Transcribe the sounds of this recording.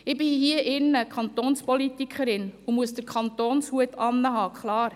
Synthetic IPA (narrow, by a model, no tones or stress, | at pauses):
ɪb̥ɪhiəʔɪnːəkʰχɑnt̪oːnspɔlitikʰχəɾɪnumuəsdəɾkʰɑntoːnshuətɑnːəɦɑːkχlɑːɾ